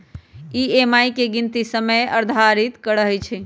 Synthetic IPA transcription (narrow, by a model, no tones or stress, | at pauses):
iemajkeɡint̪isəməjəɾd̪ʱaɾit̪kəɽəɦɛjt͡ʃʰɛ